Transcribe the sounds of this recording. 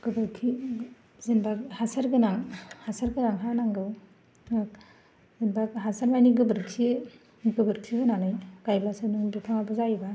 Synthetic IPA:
ɡ̥ɯbɯɾkʰi | zenbak̚hasaɾɡɯnaŋhasaɾɡɯnaŋɦanaŋɡɯw | zenbak̚ɦasaɾmajniɡɯbɯɾksʰi | ɡɯbɯɾk̚tʰiɡɯnanɯjɡajblasɯnɯŋbipʰaŋabɯzajiba

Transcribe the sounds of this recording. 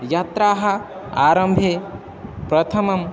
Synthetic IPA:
jaːt̪ɾaːɦɐ | aːɾɐmbʱe | pɾɐt̪ʰɐmɐm

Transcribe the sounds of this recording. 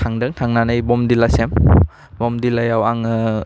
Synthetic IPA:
tʰaŋdɯŋtʰaŋnanɯjbɔmdilasem | bɔmdilajawaŋ

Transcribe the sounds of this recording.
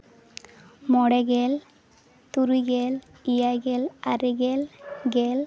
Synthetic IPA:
mɔɽɛɡel | t̪uɾiɡel | ijajɡelaɾiɡelɡel

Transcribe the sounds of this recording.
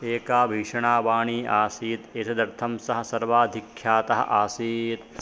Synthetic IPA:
eːkaːbʱiːʂɐɳaːʋaːɳiːʔaːsiːt̪eːt̪ʰɐd̪ɐɾt̪ʰɐmsɐɦɐ̆sɐɾʋaːd̪ʱikʰjaːt̪ɐɦɐ̰̆ʔaːsiːt̪̚

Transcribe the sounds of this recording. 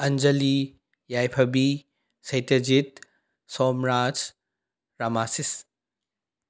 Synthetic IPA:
ɐnd͡ʒɐli | jajpʰɐbi | sɐjtɐd͡ʒit̪̚ | sɔmɾad͡ʒ | ɾamasis

